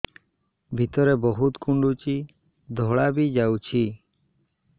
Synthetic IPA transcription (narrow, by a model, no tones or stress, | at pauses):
bʱit̪ɔɾebɔɦut̪kuɳɖut͡ʃi | d̪ʱɔɭabid͡ʒawt͡ʃʰi